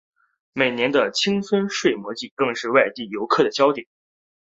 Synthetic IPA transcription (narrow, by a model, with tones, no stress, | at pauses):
me˨˩ɪnjɛ˧˥nd̪ə˧t͡ɕʰi˥ŋswə˥nʂwe˥˩ɪmwɔ˧˥t͡ɕi˥˩kɤ˥˧ŋʂɻ̩˥˧wa˥˧ɪt̪i˥˩jo˧˥ʊkʰɤ˥˩d̪ə˩t͡ɕjɑ˥ʊt̪jɛ˨˩˦n